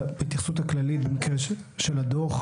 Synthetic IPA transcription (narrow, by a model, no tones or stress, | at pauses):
bet̪iχsut̪haklalit̚bemikʁeʃʃelad̪oχ